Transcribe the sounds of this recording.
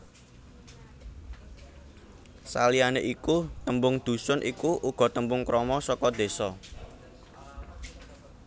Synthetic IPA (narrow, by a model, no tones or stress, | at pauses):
sa̰lianeʔikut̪əmbʊŋd̪̥ṳsʊnʔikuʔuɡ̥ɔ̤t̪əmbʊŋkɾɔmɔsɔkɔd̪̥e̤sɔ